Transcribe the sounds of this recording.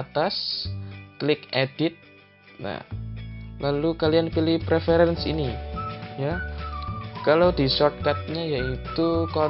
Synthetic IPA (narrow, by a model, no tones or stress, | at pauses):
t̪as | klɪked̥ɪt̪̚ | na̰ | lalukalianpilɪhpɾefeɾɛnsḭnija | kalawdisɔrt̪̚kat̪̚ɲajait̪ukɔ